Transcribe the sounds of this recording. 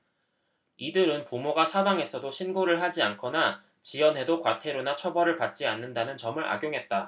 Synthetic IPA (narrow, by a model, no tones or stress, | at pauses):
idɯɾɯnpumoɡasʰabaŋɦe̞sʰʌdoɕʰinɡoɾɯɭɦad͡ʑiankʰʌna | t͡ɕiwʌnɦe̞dokwatʰe̞ɾonat͡ɕʰʌbʌɾɯɭpat̚t͡ɕ͈ianːɯndanɯnt͡ɕʌmɯɾʔa̰ɡjoŋɦe̞t̚t͈a